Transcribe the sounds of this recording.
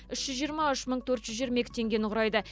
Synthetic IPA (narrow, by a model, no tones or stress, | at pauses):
ʏʃʒ̥ʏzʒijəɾmɑʏʃməɴt̪ʰɵɾt̪ʒ̥ʏzʒiɾmekʲɪ̥t̪ʰe̞ŋɡʲe̞nɪqʰʊɾɑjd̪ə